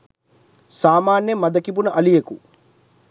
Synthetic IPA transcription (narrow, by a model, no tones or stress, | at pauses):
saːmaːnjɐmɐd̪ɐkibunɐʔɐlijeku